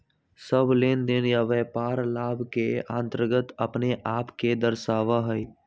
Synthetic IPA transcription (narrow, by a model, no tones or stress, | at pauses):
səbleːnd̪ɪnjaʋɛːpaːɾlaːbʱkeãːnt̪əɾɡət̪əpneʔaːpked̪əɾʃaːʋaɦəj